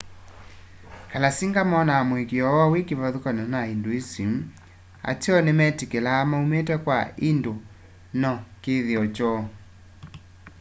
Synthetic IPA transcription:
kalasiŋɡamɔnamwekeɔawekeβaðokananaindoesim | a̰teɔnemɛtikelaːmaumetɛkwaindo | nɔkeðeɔt͡ʃɔ

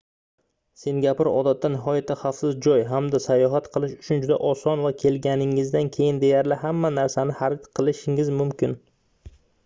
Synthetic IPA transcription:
se̞nɡʲapɪɾɒ̰d̪at̪ʰːanɪɦɒjat̪ʰːaχafsɪzd͡ʒɒjɦamd̪asajɒɦat̪qʰɨlˠɪʃʊ̥t͡ʃʰʊnd͡ʒʊd̪a̰ʔɒsɒnvakʲʰe̞lɡʲanɪŋɪzd̪ankʲʰe̞jɪnd̪e̞jaɾlɪhamːanaɾsanɪhaɾɪt̪qʰɨlˠɪʃɪŋɪzmʊmkʲʰɪn

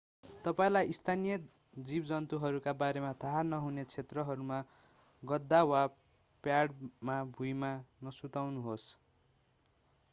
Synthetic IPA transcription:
t̪ʌpaĩlajist̪ʰanijʌ | d͡zibd͡zʌnt̪uɦʌɾukabaɾemat̪ʰaɦanʌɦunet͡sʰet̪rʌɦʌɾuma | ɡʌd̪ːawa | pjaɽmabʱujmanʌsut̪awnuɦos

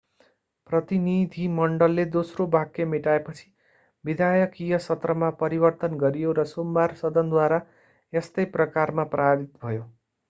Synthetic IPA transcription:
prʌt̪inid̪ʱimʌɳɖʌlːed̪osrobakːemeʈaepʌt͡sʰi̥ | bid̪ʱajʌkijʌsʌt̪rʌmapʌɾibʌrt̪ʌnɡʌɾijoɾʌsombarsʌd̪ʌnd̪waɾa | est̪ʌjprʌkarmaprabit̪bʱʌjo

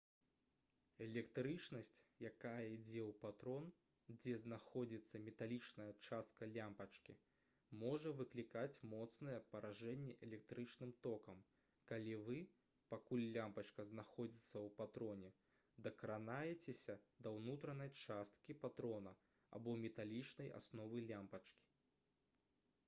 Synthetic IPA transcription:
ɛlʲɛkt̪ɾɨt͡ʂnɐsʲt͡sʲjakajɐid͡zʲɛwpat̪ɾɔn | d͡zʲɛznaxɔd͡zʲit̪sːɐmʲɛt̪alʲit͡ʂnɐjɐt͡ʂast̪̚kɐlʲampɐt͡ʂkʲḭ | mɔʐɐvɨklʲikat͡sʲmɔt̪snɐjɛpɐɾaʐɛnʲːɛʔɛlʲɛk̚t̪ɾɨt͡ʂnɨmt̪ɔkɐm | kalʲivɨ | pakulʲlːʲampɐt͡ʂkɐznaxɔd͡zʲit̪sːɐwpat̪ɾɔnʲɛ | d̪ɐkɐɾanajɛt͡sʲesʲɐd̪ɐwnut̪ɾɐnɐjt͡ʂast̪̚kʲipat̪ɾɔnɐ | a̰bɔmʲɛt̪alʲit͡ʂnɐja̰snɔvɨlʲampɐt͡ʂkʲi̥

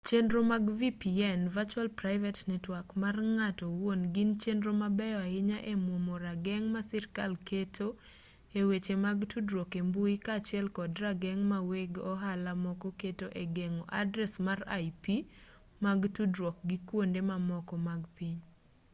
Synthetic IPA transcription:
t͡ʃendɾomaɡvipiɛnvat͡ʃwalpɾaɪvɛtnɛtwakmarŋatɔwonɡɪnt͡ʃendɾomabɛaɪɲaʔemwomoɾaɡɛŋmasɛɾkalketʰo | ewet͡ʃemaɡtʰudɾokembuikat͡ʃɪɛlkɔdɾaɡɛŋmaweɡɔɦalamɔkɔketoʔeɡeŋɔʔa̰dɾɛsmara̰ipi | maɡtudɾɔk̚ɡikwondemamɔkɔmaɡpiɲ

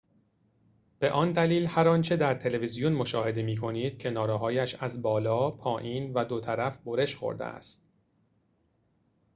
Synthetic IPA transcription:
b̥e̞ʔɒːnd̪æliːlhæɾɒːnt͡ʃʰe̞d̪æɾt̪ʰe̞levizijonmoʃɒːhe̞d̪e̞miːkʰo̞niːd̪̥̚cʰe̞nɒːɾeɦɒːjæʃæzbɒːlɒːpʰɒːʔiːnvæd̪o̞t̪ʰæɾæfbo̞ɾe̞ʃχo̰ɾd̪ḛæ̰st̪

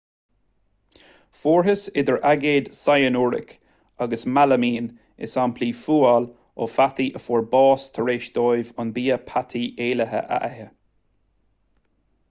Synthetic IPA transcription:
foːɹɦəsɪd̪əɹʔaɡeːd̪sajənuːɹɪ̰k | aɡəsmaləmiːn | ɪ̰sampʰliːfuːal | o̰fat̪iʔəfɔːɹbɑːst̪ʰəɹeːʃd̪̥ɔːjvʊnbiːəpʰat̪ʰieːləɦə̰ʔa̰ʔɛhə

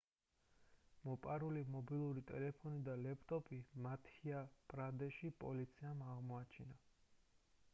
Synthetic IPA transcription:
mɔpʼaɾulimɔbilˠuɾit̪ʼɛ̰lɛpʰɔnid̪alɛpʰt̪ʼɔpʼimat̪ʰiapʼɾad̪ɛʃipʼɔ̰lit̪sʰiamaʁmɔat͡ʃʰina

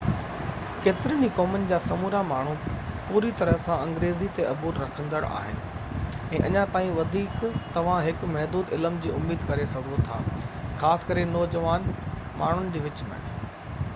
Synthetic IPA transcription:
keːt̪ɪɾənikɔːmənɪ̆d͡ʑaːsɐmuːɾamaːɳ̤upuːɾit̪ɐɾəɦsãɐ̃ŋɡɾeːzit̪eʔɐbuːɾɾɐkʰə̃nd̪əɽa̰ːɦɪ̰nɪ̆ɛ̃ːʔɐɲãt̪aːĩʋɐd̪ʱiːkt̪ɐʋ̤ãɦɪkmɐɦd̪uːd̪ɪləmd͡ʑiːʊmiːd̪kɐɾesɐɡʱot̪ʰa̰ːxaːsɪ̥kɐɾenɔːd͡ʑɐʋaːn | mʔaːɳ̤ʊnɪ̆d͡ʑiːʋɪt͡ɕmḛ̃

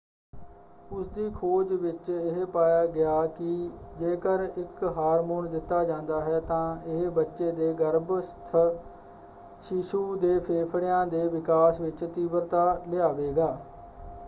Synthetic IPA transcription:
ʊsd̪iːkʰoːd͡ʒʋɪt͡ʃɪɦpaːjaːɡɪjaːkɪd͡ʒeːkəɾɪkɦaːɾmoːɳd̪ɪt̪ːaːd͡ʒãːnd̪aːɦɛːt̪ãːɪɦbətːʃeːd̪eːɡəɾbst̪ʰə | ʃɪʃuːd̪eːpʰeːpʰɽɪjãːd̪eːʋɪkaːsʋɪt͡ʃt̪iːbəɾt̪aːlɪaːʋeːɡaː

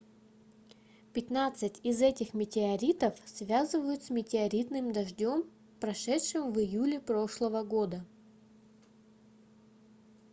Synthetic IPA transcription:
pʲɪt̪nat̪sɨtʲɪzɛtʲɪxmʲɪtʲɪɐɾʲit̪əfsvʲazɨvəjʊt̪smʲɪtʲɪɐɾʲit̪nɨmd̪ɐʐdʲo̞m | pɾɐʂɛtʂɨmvɨjulʲɪpɾo̞ʂlˠəvəɡo̞d̪ə

